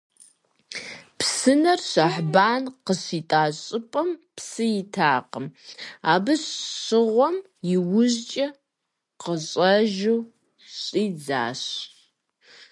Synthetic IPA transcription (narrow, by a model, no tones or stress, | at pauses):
pʰsɨnɐrɕɐħbaːnqəɕiːtʼaːɕʼɨpʼɐmpʰsɨjɪtʰaːqəmaːbɨɕɕɨʁʷɔm | jɪwʊʑt͡ʃʼɐ | qəɕʼɐʒuw | ɕʼiːd͡za̰ːɕ